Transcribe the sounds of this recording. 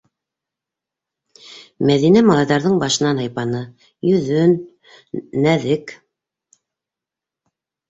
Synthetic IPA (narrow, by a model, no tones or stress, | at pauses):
mæðinæmɑlˠɑjðɑɾðɤɴbɑʃɤ̆nɑnɑjpɑnɤ | jɵ̆ðɵnː | æðɘk